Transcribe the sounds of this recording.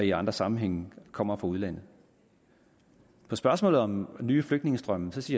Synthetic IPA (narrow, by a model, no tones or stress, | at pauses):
iɑ̈nd̥ʁɐsɑ̈mn̩ɦeŋ̰kʰɒ̽m̰ɐfɑuðˠlæn̰ð | pʰɒ̽sb̥ɶɐsmɔ̰ːlð̩ˠɒ̽mnyːfløɡ̥d̥ne̝ŋəsd̥ʁɶməsɒ̽siːɐ